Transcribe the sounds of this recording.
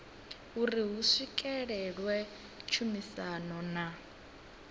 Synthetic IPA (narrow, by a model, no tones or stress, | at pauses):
uriɦuʂikʼɛɺɛɺwɛ | t͡ʃʰumisanɔna